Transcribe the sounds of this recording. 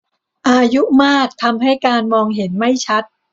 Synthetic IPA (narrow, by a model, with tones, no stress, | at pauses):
ʔaː˧ju˦˥maː˥˩k̚t̪ʰa˧mɦa˥˩jkaː˧nmɔː˧ŋɦe˩˦nma˥˩jt͡ɕʰa˦˥t̪̚